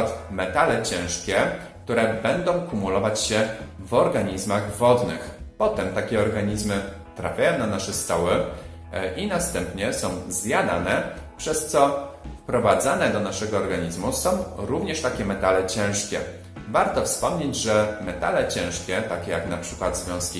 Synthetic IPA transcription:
t̪mɛt̪alɛt͡ɕɛ̃w̃ʂkʲɛk̚t̪uɾɛbɛnd̪ɔ̃w̃kumulɔvat͡ɕɕɛvɔɾɡaɲizmaɣvɔd̪nɘ̰xpɔt̪ɛmt̪akʲɛɔɾɡaɲizmɘ | t̪ɾa̰fʲjajɔ̃w̃nanaʂɛst̪ɔwɘ | ʔinast̪ɛmpɲɛsɔ̃w̃zjad̪a̰nɛ | pʂɛst̪sɔfpɾɔvad̪zanɛd̪ɔnaʂɛɡɔːɾɡaɲizmusɔ̃w̃ɾuvɲɛʂt̪akʲɛmɛt̪alɛt͡ɕɛ̃w̃ʂkʲɛ̰ | vaɾt̪ɔfspɔmɲed͡ʑʐɛmɛt̪a̰lɛt͡ɕɛ̃w̃ʂkʲɛt̪akʲɛjaknapʂɘkwad̪zvʲjɔ̃w̃skʲi

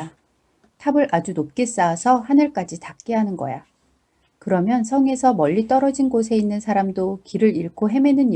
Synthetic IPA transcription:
tʰabɯɾʔad͡ʑunop̚k͈es͈aːsʰʌhanɯɭk͈ad͡ʑitak̚k͈eɦanɯnɡʌ̰ja | kɯɾʌmjʌnsʰʌŋe̞sʰʌmʌʎːit͈ʌɾʌd͡ʑinɡos̬ʰe̞inːɯnsʰaɾamdokiɾɯɾiɭkʰoɦe̞me̞nɯn

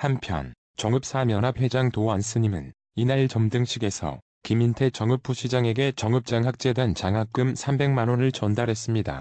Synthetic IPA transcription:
hampʰjʌ̰n | t͡ɕʌŋɯp̚s͈amjʌnɦap̚he̞d͡ʑaŋtoans͈ʰɯɲimɯ̰n | inait͡ɕʌmdɯŋɕʰiɡe̞sʰʌ̰ | kimintʰe̞t͡ɕʌŋɯp͈ʰuɕʰid͡ʑaŋe̞ɡe̞t͡ɕʌŋɯp̚t͡ɕ͈aŋɦak̚t͡ɕ͈e̞dant͡ɕaŋɦak͈ɯmsʰambe̞ŋmanonɯɭt͡ɕʌndaɾɦe̞s͈ɯmɲida̰

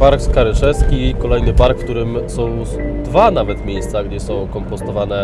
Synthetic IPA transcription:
paɾkskaɾɘʂɛskʲikɔlɛjnɘpaɾkfkt̪uɾɘmsɔ̃w̃ | d̪vanavɛt̪mʲjejst̪saɡd͡ʑɛsɔ̃w̃kɔmpɔst̪ɔvan̪ɛ

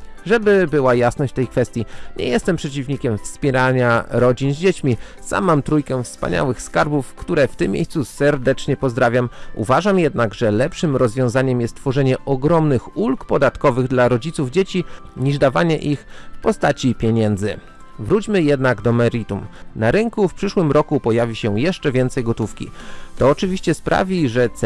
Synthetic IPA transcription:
ʐɛbɘbɘwajasnɔɕt͡ɕt̪ɛjkfɛst̪ʲjiɲɛ̰jɛst̪ɛmpʂɛt͡ɕivɲikʲɛmfspʲjɛɾaɲaɾɔd͡ʑinzʲd͡ʑet͡ɕmʲisa̰mːamt̪ɾujkɛfspa̰ɲa̰wɘxskaɾbufkt̪uɾɛft̪ɘmʲːjḛjssusɛɾd̪ɛt͡ʂɲɛpɔzd̪ɾavʲjamṵvaʐamjɛd̪naɡʐɛlɛpʂɘmɾɔzvʲjɔ̃w̃zaɲɛmjɛst̪ːfɔʐɛɲɛʔɔɡɾɔmnɘxulkpɔd̪at̪kɔvɘɣd̪laɾɔd͡ʑit̪suvd͡ʑet͡ɕi | ɲiʐd̪avaɲɛʔixfpɔst̪at͡ɕipʲjeɲɛnd̪zɘ | vɾut͡ɕmɘjɛd̪naɡd̪ɔmɛɾit̪umnaɾɘŋkufpʂɘʂwɘmɾɔkupɔjavʲiɕɛjɛʂt͡ʂɛvʲjɛnt̪sɛjɡɔt̪ufkʲḭt̪ɔːt͡ʂɘvʲiɕt͡ɕɛspɾʔa̰vʲiʐɛt̪s

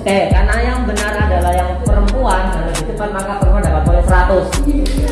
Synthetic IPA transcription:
kakarnajaŋbənaradalahjaŋpəɾəmpuanadadit̪əmpanmakapəɾəmpuandapat̪̚bolɛsəɾat̪ʊs

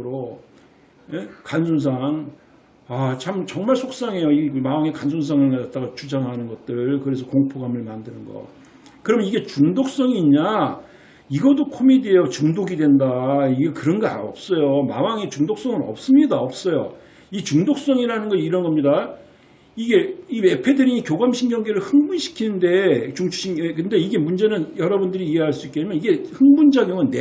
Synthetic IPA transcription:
ɾo | jekansʰuns̬ʰaŋ | at͡ɕʰamt͡ɕʌŋmaɭsʰok̚s͈aŋe̞joimawaŋekansʰuns̬ʰaŋɯɭkadat͈̚aɡat͡ɕud͡ʑaŋɦanɯnɡʌt̚t͈ɯɭkɯɾe̞s̬ʰʌkoŋpʰoɡamɯɭmandɯnɯnɡʌ̰ | kɯɾʌmʌniɡe̞t͡ɕuŋdok̚s͈ʌŋiɲa | iɡʌdokʰomidiejot͡ɕuŋdoɡidwe̞ndaiɡekɯɾʌnɡʌa̰ʌp̚s͈ʌjoma̰waŋet͡ɕuŋdok̚s͈ʌŋɯɾʌ̰p̚s͈ɯmɲidaʌp̚s͈ʌjo̰ | it͡ɕuŋdok̚s͈ʌŋiɾanɯnɡʌiɾʌnɡʌmɲida | iɡe̞ime̞pʰe̞dɯɾiɲikjoɡamɕʰinɡjʌŋɡe̞ɾɯɭhɯŋbunɕʰi̥kʰinɯnde̞t͡ɕuŋt͡ɕʰɕʰiekɯnde̞iɡe̞mund͡ʑe̞nɯnjʌɾʌbundɯɾiːeɦaɭs͈uik͈eemjʌniɡe̞hɯŋbund͡ʑaɡjoŋɯnːe

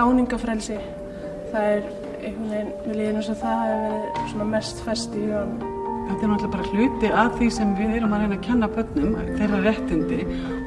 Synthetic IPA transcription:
aːwniŋkafɾɛlsɪ | θaðɛɾ | ḛjhkɪnejnɪleːðɪnusaθaθaðɛɾvɪðsɔnamɛst̪fɛst̪ɪœanːʏm | ɛt̪ːɛɾnat̪lapaːɾal̥ʏːt̪ɪaðθisɛmvɪðɛːɾʏmaðɾeːjnacʰɛnːapœt̪nʏmθɛrːarjɛht̪ɪnt̪ɪ

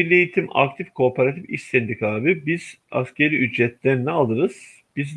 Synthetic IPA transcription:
ilʲejit̪ʰima̰k̚t̪ʰifkʰo̞pʰaɾat̪ʰifḭʃsɛnd̪ikʰaːbibiz̥a̰scʰeɾiʔyd͡ʒɾɛt̪lʲɛnʲɛalˠɯɾɯz̥ | b̥iz

